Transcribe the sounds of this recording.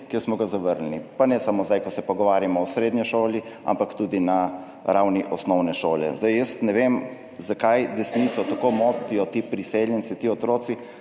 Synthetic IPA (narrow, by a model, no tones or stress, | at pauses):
kjeɾsmɔɡazaʋəɾlnipanɛsamozd̪ajkɔsɛpɔɡɔʋaːɾjamɔɔsɾeːd̪ɲiʃoːlia̰mpakt̪uːd̪ina | ɾawniʔɔsnɔwnɛʃoːljɛ̰zd̪ajjəst̪nɛʋem | zakajd̪ɛsniːt̪sɔt̪akomoːt̪ijɔt̪iːpɾiseljɛntsit̪iːɔt̪ɾoːsi